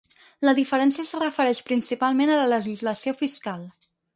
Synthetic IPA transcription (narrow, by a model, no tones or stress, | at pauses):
ləðifəɾɛnsiəsərəfəɾɛʃpɾinsipalˠmenələləʒizləsiofiskalˠ